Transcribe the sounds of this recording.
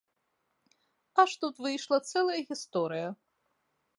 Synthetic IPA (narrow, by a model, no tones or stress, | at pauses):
aʂt̪ut̪vɨjʂlˠɐt̪sɛlˠɐjɐɣʲist̪ɔɾɨjɐ